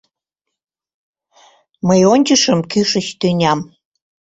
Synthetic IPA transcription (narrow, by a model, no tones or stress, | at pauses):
məjonʲt͡ɕəʃəmkyʃət͡ɕt̪ynʲɑm